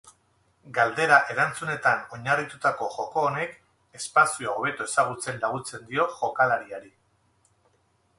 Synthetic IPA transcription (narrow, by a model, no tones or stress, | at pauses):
ɡald̪e̞ɾaʔe̞ɾant͡sune̞t̪ano̞ɲarit̪ut̪ako̞ʝo̞ko̞ːne̞k | e̞spasioaoβ̞e̞t̪oe̞saɣ̞ut͡se̞nlaɣut͡se̞nd̪io̞ʝo̞kalaɾiaɾi